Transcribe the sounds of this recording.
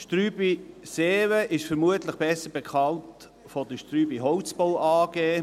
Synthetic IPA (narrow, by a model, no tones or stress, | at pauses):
ʃtɾyːbiseːwəʔɪʃfəɾmuətləχb̥ɛsəɾb̥ɛkʰɑnt | fɔd̥əʃtɾyːbiɦɔwt͡sbɔwʔɑːɡ̥eː